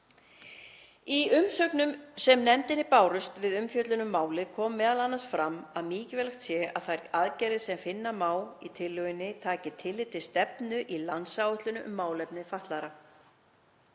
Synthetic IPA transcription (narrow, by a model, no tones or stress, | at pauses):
iʏmsœknʏmsɛmnɛmt̪ɪnɪpaːwɾʏst̪vɪðʏmfjœt̪lʏnʏmːaːwlɪkʰɔːmːɛːðalanːast̪fɾamːaðmiːcɪvɛlaxt̪sjɛa̰ðθajɾaðcɛjɾɪsɛmfɪnːamaːwlit̪ʰɪlːʏɪnːɪt̪ʰaːcɪt̪ʰɪlːɪt̪ʰɪlst̪ɛpnʏʔilansawʏht̪lʏnʏʔʏmːaːwlɛpnɪfaht̪laɾa